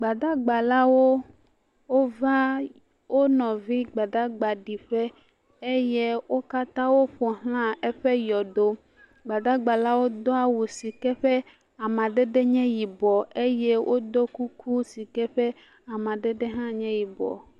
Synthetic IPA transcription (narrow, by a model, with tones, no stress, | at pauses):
ɡ͡ba˨d̪a˦ɡ͡ba˨la˦wo˦ | wo˦va˦ | wʔo˦nɔ̃˨vi˦ɡ͡ba˨da˦ɡ͡ba˨ɖi˨ɸɛ˦ | e˦jɛ˦wo˦ka˦t̪ã˦wo˦ɸɔ˨ɦl̃ã˦e˦ɸɛ˦jɔ˨do˦ | ɡ͡ba˨da˦ɡ͡ba˨la˦wo˦d̪ɔ˦a˨wu˨si˨kɛ˦ɸɛ˦ | a˨mã˨ɖe˦ɖe˦ɲɛ̃˦ji˨bɔ˨e˦jɛ˦wʔo˦d̪o˦ku˦kʰu˦si˨kɛ˦ɸɛ˦ | a˨mã˨ɖe˦ɖe˦ɦã˦ɲɛ̃˦ji˨bɔ̰˨